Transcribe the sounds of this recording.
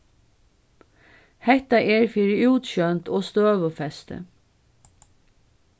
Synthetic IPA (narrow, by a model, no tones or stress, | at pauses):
hɛht̪aʔɛɹfɪɾɪuːt̪ʃœnt̪ʰɔːst̪øːʋəfɛst̪ə̰